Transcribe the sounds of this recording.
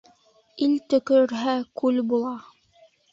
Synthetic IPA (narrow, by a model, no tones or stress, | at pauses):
ilt̪ɵ̆kɵ̆ɾɘ̆ɾɦækʉlbulˠɑ